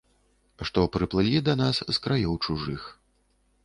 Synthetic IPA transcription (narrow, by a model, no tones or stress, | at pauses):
ʂt̪ɔpɾɨplˠɨlʲid̪ɐnasskɾajɔwt͡ʂuʐɨx